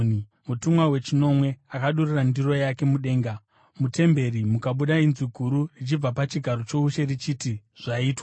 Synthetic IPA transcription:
ni | mutumwawe̞t͡ʃino̞mwe̞akaɗurirandiro̞jake̞muɗe̞ːŋɡa | mute̞mbe̞ɾimukaɓuɗainziɡʱuɾurit͡ʃib͡vapat͡ʃiɡʱaɾo̞t͡ʃo̞uʃe̞rit͡ʃitiʐ̥aiːtwa

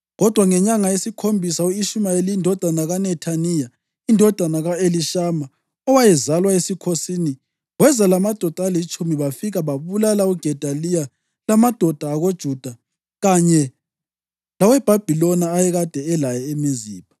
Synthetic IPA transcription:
ɣɔd̥ʱwaŋɛɲaŋajesikʰombʱisauiʃumaelindʱɔd̥ʱanaɣanɛtʰanija | indʱɔd̥ʱanaɣaeliʃama | ɔwajɛzalwaesikʰosini | wɛzalamad̥ʱɔd̥ʱaalit͡ʃʼumiβafiɣaβaβulalauɡ̥ʱɛd̥ʱalija | lamad̥ʱɔd̥ʱaːɣod̥ʒ̥ʱud̥ʱa | ɣaɲɛ | lawɛb̥ʱab̥ʱilɔnaːjɛɣad̥ʱɛɛlajɛemiziːpa

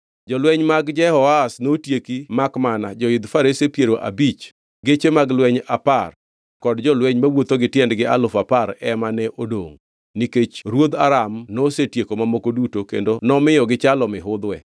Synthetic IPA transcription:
d͡ʒɔlwɛɲmaɡd͡ʒɛhɔasnotjekimakmanad͡ʒɔɪd̪faɾesepjeɾoʔa̰bit͡ʃ | ɡet͡ʃemaɡlwɛɲapar | kɔdd͡ʒɔlwɛɲmawot̪oɡɪtjɛndɡɪa̰lʊfapaɾɛmanɛʔodo̰ŋ | niket͡ʃɾwod̪aɾamnosetjekomamokodutokḛndonɔmɪjɔɡɪt͡ʃalɔmɪɦʊd̪wɛ

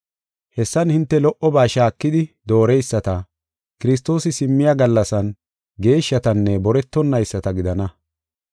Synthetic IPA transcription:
hɛsːɐnhɪnt̪ːɛlɔʔɔbaːʃaːkːɪd̪ɪd̪o̞ːɾɛjsːɐt̪ɐ | kɪɾɪs̬t̪o̞ːsɪsɪmːɪjaɡɐlːɐsɐn | ɡe̞ːʃːɐt̪ɐnːɛbɔɾɛt̪ːɔnːɐjsːɐt̪ɐɡɪd̪ɐnɐ

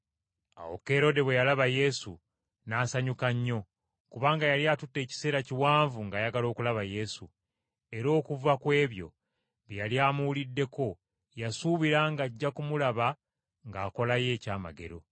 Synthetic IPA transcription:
a̰wo̞̰ke̞ɾo̞de̞βwe̞jalaβaje̞sṵ | naːsaɲukaɲːo̞ | kuβaːŋɡajaljatutːe̞ːci̥se̞ːɾaciwaːɱvuŋɡajaɡalo̞ːkulaβaje̞su | e̞ɾo̞ːkuvakwe̞ːβjo̞̰ | βjaliaːmulidːe̞ko̞ | jasuːβiɾaŋɡaɟːakumulaβa | ŋɡaːko̞laje̞ːcaːma̰ɡe̞̰ɾo̞̰

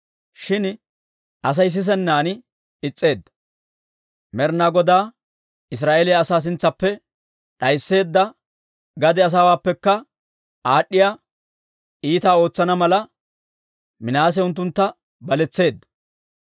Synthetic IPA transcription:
ʃɪn | ʔɐs̬ɐjs̬ɪs̬ɛnːaːnɪ | ɪt͡sʼːe̞ːd̪ːɐ | mɛɾnaɡɔd̪aː | ɪs̬ɾaːʔelɪjɐːsaːs̬ɪnt͡sːɐpːɛ | ɗɐjsːe̞ːd̪ːɐ | ɡɐd̪ɛɐs̬aːwaːpːɛkːɐ | aːɗːɪjaː | iːt̪aːo̞ːt͡sːɐnɐmɐlɐ | mɪnaːs̬ɛʊnt̪ːʊnt̪ːɐ | bɐlɛt͡sːe̞ːd̪ːɐ̥

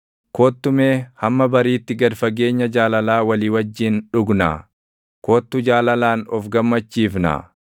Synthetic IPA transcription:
koːt̪ːʊmeːhɐmːɐbɐɾiːt̪ːɪɡɐd̪fɐɡe̞ːɲːɐd͡ʒaːlɐlaːwɐliːwɐd͡ʒːɪnᶑʊɡna̰ː | ko̞ːt̪ːʊd͡ʒaːlɐlaːnɔfɡɐmːɐt͡ʃːiːfna̰ː

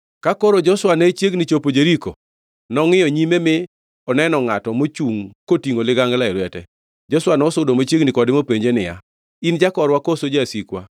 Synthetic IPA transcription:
kakoɾod͡ʒɔswanet͡ʃjeɡnɪt͡ʃopod͡ʒeɾiko̰ | nɔŋɪjɔɲimemɪ | ɔnɛnɔŋatɔmot͡ʃuŋkotiŋolɪɡaŋɡlaɪɾwɛtɛ̰ | d͡ʒɔswanɔɔsʊdomot͡ʃeɡnɪkɔdɪmopeɲd͡ʒenɪja̰ | ind͡ʒakɔɾwakosod͡ʒasikwa

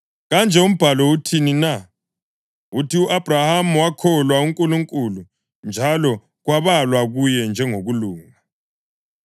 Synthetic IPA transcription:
ɣand͡ʒʱɛum̩b̥ʱalɔutʰinina | utiuʔab̥ʱrahamuwakʰɔlwauŋkʼuluŋkʼulu | nd͡ʒʱalɔ | ɣwaβalwaɣujɛnd͡ʒʱɛŋoɣuluːŋa

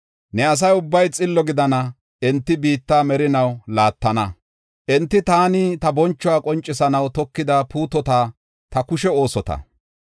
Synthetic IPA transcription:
nɛɐs̬ɐjʊbːɐjt͡sʼɪlːɔɡɪd̪ɐnɐ | ɛnt̪ːɪbiːt̪ːaːmɛɾɪnɐwlaːt̪ːɐnɐ | ʔɛnt̪ːɪt̪aːnɪt̪ɐbɔnt͡ʃːɔaːkʼɔnt͡ʃʼːɪsɐnɐwt̪ɔkːɪd̪ɐpuːt̪ɔt̪aː | t̪ɐkʊʃɛo̞ːsɔt̪ɐ̰

